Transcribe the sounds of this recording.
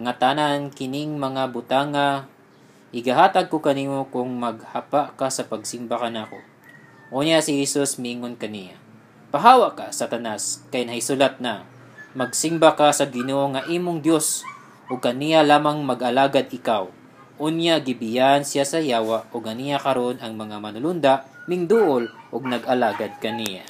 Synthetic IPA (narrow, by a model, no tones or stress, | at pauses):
ŋat̪anankɪnɪŋmɐŋabʊt̪aŋːa | ɪɡaɦaːt̪aɡ̚kokɐniːmokʊŋmɐɡ̚hapaʔkasɐpɐɡsɪmbakɐnaːko̰ | ʔoːnjasɪhɛsusmɪʔiːŋonkɐnija̰ | pɐɦaːwaʔkasat̪ɐnaskɐjnɐhɪsulat̪̚nɐ | mɐɡ̚sɪmbakasɐɡɪnoʔoŋɐʔiːmoŋd̪jo̞s | ʔoɡ̚kːɐnijalaːmɐŋmɐɡʔɐlaːɡad̪̚ɪkaw | ʔʊnjaɡɪbɪjaʔansɪjasɐjaːwaʔoɡ̚ɐnijakɐɾo̞nʔɐŋmɐŋamɐnʊlʊnd̪aʔmɪŋd̪uʔolʔoɡ̚nɐɡʔɐlaːɡad̪̚kɐnija̰